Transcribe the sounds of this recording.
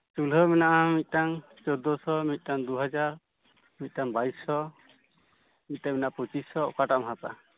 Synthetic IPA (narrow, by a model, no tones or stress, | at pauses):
t͡ʃulɔminaʔamit̪̚ˀʈaŋ | t͡ʃɔd̪ɔsɔmit̪̚ˀʈaŋd̪uɦad͡ʒaɾ | mit̪̚ˀʈaŋbaisɔ | mit̪̚taminaʔapɔt͡ʃisɔɔ̰kaʈamɦat̪a̰